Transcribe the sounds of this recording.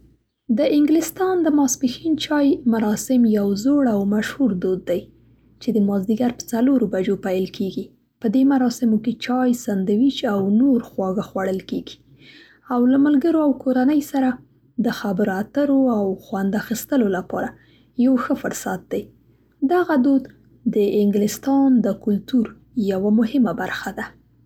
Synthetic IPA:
d̪əʔɪŋɡlɪst̪ɑnd̪əmɑspixint͡ʃɑjmaɾɑsɪmjawzoɽawmaʃhuɾd̪od̪ːaj | t͡ʃed̪əmɑzd̪iɡaɾpə̥t͡saloɾobad͡ʒopajəlkʰeɡi | pəd̪emaɾɑsɪmoket͡ʃɑjsand̪awit͡ʃawnoɾxwɑɣaxwaɽəlkeɡi̥ | awlamalɡəɾoawkoɾanəjsaɾa | d̪əxabəɾoat̪əɾoawxwand̪axist̪əlolapɑ̰ɾa | jawxəfʊɾsat̪̚d̪aj | d̪aɣad̪od̪ | d̪əɪŋɡlɪst̪ɑnd̪əkʊlt̪uɾ | jawamʊhɪmabaɾxad̪a

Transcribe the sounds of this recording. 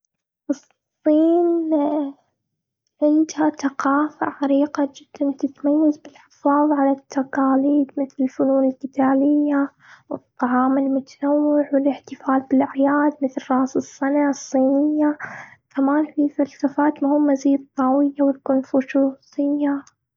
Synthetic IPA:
ʔɨsˤ | iːn | ʕɪnd̪haθaqɑːfa̰ʕaɾiːqad͡ʒɪd̪̥ːant̪ɪt̪majːazbɪlħɪ̥fɑːðˤʕalat̪ːaqɑːliːd̪mɪθlɪlfʊnuːnɪlqɪt̪aːlɪjːa | wɨt̪ˤːɑʕɑːmɪlmʊt̪ḁnawːɪʕwɪlɪħt̪ɪfaːlbɪlʔaʕjaːd̪̚mɪθlrˤɑːsɨsːanasˤːiːnɪjːakamaːnfifalsafaːt̪mʊhʊːmːaziːd̪t̪ˤːɑːwɪjːawɪlkʊnfʊʃuːsɪjːa

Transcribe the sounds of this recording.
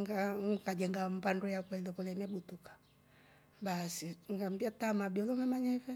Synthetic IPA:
ŋɡakad͡ʒɛŋɡam̩bandɔjakwɛlɔpɔlɛnɛɓutukḁ | ɓasiŋɡam̩biatamabiɔlɔmamaɲɛvɛ

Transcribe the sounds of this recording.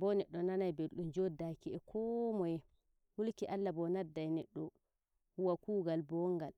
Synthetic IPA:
bɔnɛɗːɔnanajbelɗumd͡ʒodakiɛkʰɔmɔjɛ | hulkiʔalːabɔnadːajnɛɗːɔ | huwakuːɡalbɔŋɡal

